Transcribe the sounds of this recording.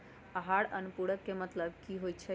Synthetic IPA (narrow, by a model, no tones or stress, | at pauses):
əɦaɽənupuɽəkːemət̪ləb̚kiɦojt͡ʃʰɛ